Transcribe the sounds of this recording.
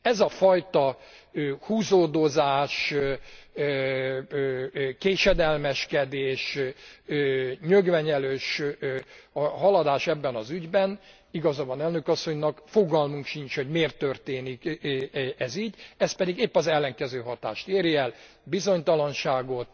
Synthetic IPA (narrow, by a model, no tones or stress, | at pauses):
ɛzɒfɒjt̪ɒøhuːzoːd̪o̞zaːʃ | keːʃɛd̪ɛlmɛʃkɛd̪eːʃ | øːɲøɡʋɛɲɛløːʃ | ɦɒlɒd̪aːʃɛbːɛnɒzyɟbɛn | iɡɒzɔbɒnɛlnø̞kɒsːo̞ɲnɒkfoɡɒlmuŋkʃint͡ʃho̞ɟmeːrt̪ːørt̪eːnik | ɛziːɟɛst̪pɛd̪iɡeːpːɒzɛlːɛŋkɛzøːɦɒt̪a̰ːʃt̪eːɾjɛl | bizo̞ɲt̪ɒlɒnʃaːɡo̞t̪